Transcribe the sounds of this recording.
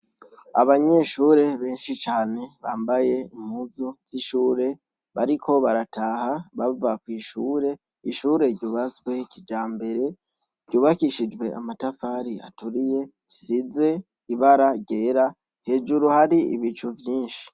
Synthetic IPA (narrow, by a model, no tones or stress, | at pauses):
a̰βaɲe̞ʃuːɾe̞βe̞ːnʃit͡ʃaːne̞βaːmbaje̞imuzoz̥iʃuːɾe̞ | βaɾikʰo̞βaɾatʰaːhaβavakwiːʃuːɾe̞ | iʃuːɾe̞ɾɟuβaswe̞kid͡ʒaːmbe̞ɾe̞ | ɾɟuːβakiʃid͡ʒwe̞a̰matafaɾia̰tuɾije̞ | size̞ | iβaɾaɟe̞ːɾa | he̞ːd͡ʒuɾuhaɾiḭβit͡ʃuvjiːnʃi̥